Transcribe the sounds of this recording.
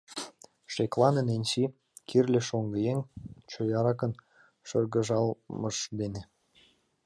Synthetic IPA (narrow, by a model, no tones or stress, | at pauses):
ʃeklˠɑnənenʲt͡ɕi | kʰirlʲĕʃoŋɡəjeŋt͡ɕojɑɾɑkən | ʃərɣə̆ʒɑlməʃd̪ene